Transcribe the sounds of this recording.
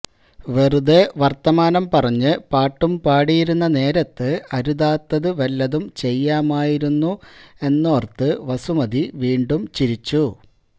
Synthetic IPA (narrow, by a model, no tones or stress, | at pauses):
ʋerud̪eʋɐrt̪ɐmaːnɐmpɐrɐɲːɨpaːʈːumpaːɽijiɾunːɐne̞ːɾɐt̪ːɨɐɾuðaːt̪ːɐðɨʋɐlːɐðumt͡ɕe̞jːaːmaːjiɾunːue̞nːoːrt̪ɨʋɐsumɐðiʋiːɳɖumt͡ɕiɾit͡ɕːu